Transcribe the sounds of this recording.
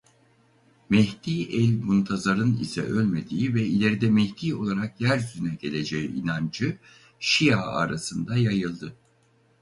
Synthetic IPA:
mɛhd̪iːʔɛlʲmunt̪ʰazaɾɯnḭsɛ̰ʔølʲme̞d̪iːivɛilʲeɾid̪ɛmɛhd̪ʰiːo̞lˠaɾakjæɾzynɛɟe̞lʲe̞d͡ʒejḭinand͡ʒɯ | ʃijaːa̰ɾasɯnd̪ajajɯlˠd̪ɯ

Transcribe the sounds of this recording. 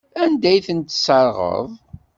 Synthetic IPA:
ænd̪æjθənt̪səɾˤʁə̰ðˤ

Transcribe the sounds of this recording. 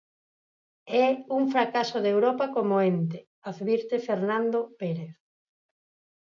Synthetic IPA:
ɛuŋfɾakasoðewɾɔpakomoent̪ɪ | aðβiɾt̪efeɾnãnd̪opeɾeθ

